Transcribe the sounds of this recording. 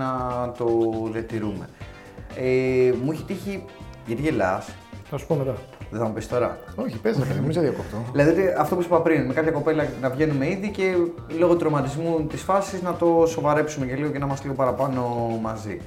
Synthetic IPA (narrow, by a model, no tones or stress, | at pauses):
nɐt̪o̞ðiɐt̪iɾume̞̰ | emuiçit̪içiʝɐt̪iʝe̞lɐ̰s | θɐsu̥pomet̪ɐ | ðeθɐmupest̪o̞ɾɐ̰oçipezeɐimizɐðiɐkoft̪oðilɐðiot̪iɐft̪o̞pusipɐpɾinme̞kɐpçɐko̞pe̞lɐnɐvʝe̞numeiðice̞ | lo̞ɣot̪uɾomɐt̪izmut̪isfɐsiznɐt̪o̞so̞vɐɾe̞psumeceliɣocenɐimɐst̪liɣo̞pɐɾɐpɐno̞mɐzḭ